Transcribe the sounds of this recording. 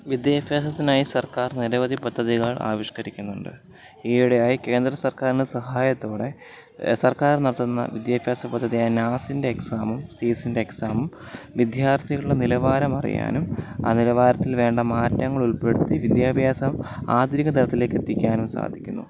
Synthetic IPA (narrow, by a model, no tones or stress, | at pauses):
ʋid̪jaːfjaːs̬ɐt̪ːinaːjisɐrkaːrniɾɐʋɐðipɐd̪ʱːɐðiɣɐɭʔa̰ːʋiʂkɐɾikʲːunːuɳɖɨ̰ | eːɽejaːjike̞ːnd̪ɾɐsɐrkaːɾinɨsɐɦaːjɐt̪ːo̞ːɽe̞ | sɐrkaːɾnɐɽɐt̪ːunːɐ̰ʋid̪jaːbʱjaːsɐpɐd̪ʱːɐðijaːjinaːsindeːksaːmumsiːsindeːksaːmum | ʋid̪jaːrt̪ʰijɐɭuɽenilɐʋaːɾɐmɐrḭja̰ːnuma̰ːnilɐʋaːɾɐt̪ːilʋe̞ːɳɖɐmaːtːɐŋːɐɭuɭpe̞ɽut̪ːiʋid̪jaːbʱjaːsɐma̰ːd̪ɾikːɐt̪ɐɾɐt̪ːile̞ːkːet̪ːikʲːaːnumsa̰ːd̪ʱikʲːunːṵ